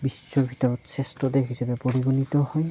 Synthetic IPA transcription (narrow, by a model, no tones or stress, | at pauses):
bisːɔɹbʱitɔɹɔtsestɔdekʰisabɛpoɹiɡunitɔhɔj